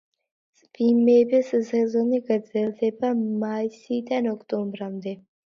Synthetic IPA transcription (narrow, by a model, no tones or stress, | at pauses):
z̥bimɛːbɛszɛzɔniɡd̪zɛlˠd̪ɛbamaisid̪anɔkʰt̪ʼɔmbɾamd̪ɛ